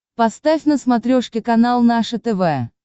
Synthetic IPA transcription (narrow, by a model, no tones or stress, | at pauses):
pɐst̪afʲnəsmɐt̪ɾʲoʂkʲɪkɐnalˠnaʂət̪ɛvɛ